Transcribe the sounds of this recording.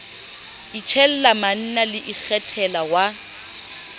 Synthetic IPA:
it͡ʃʰɛl̩laman̩nalɪʔik͡xʰɛtʰɛlawa

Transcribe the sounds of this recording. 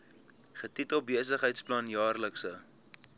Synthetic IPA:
χətitɔbiəsəχɦəjtsplɐnjɑːrləksə

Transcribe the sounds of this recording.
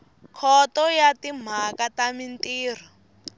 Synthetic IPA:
kʰɔtɔjatim̤akatamintiːr̤ɔ

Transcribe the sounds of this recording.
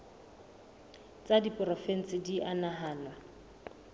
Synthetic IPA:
t͡sʼadipʼrɔfɛn̩t͡sʼɪdiʔanaɦaːnwa

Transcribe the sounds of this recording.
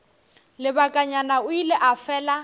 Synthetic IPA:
lɪbakʼaɲanaʊilɛʔafɛːla

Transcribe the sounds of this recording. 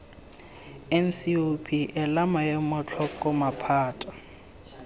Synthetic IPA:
ɛn̩siopʰiʔɛlamajɛmʊt͡ɬʰɔkʼɔmapʰaːtʼḁ

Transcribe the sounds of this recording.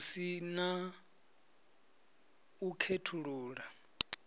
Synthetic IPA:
sina | ukʰetʰuɺuːɺa

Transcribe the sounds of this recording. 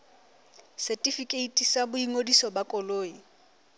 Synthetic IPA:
sɛtʼifikʼeitʼisabʊiŋodisɔbakʼɔloːi

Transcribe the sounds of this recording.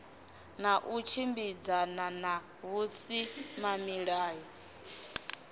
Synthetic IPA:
naʔut͡ʃʰimbid͡zanana | ɦusimamiɺaːjɔ

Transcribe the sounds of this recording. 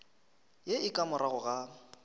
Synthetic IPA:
jeɪkʼamʊraɣʊɣa

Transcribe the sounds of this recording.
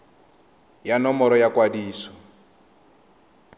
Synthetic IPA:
janɔmɔɾɔjakwadiːsɔ̥

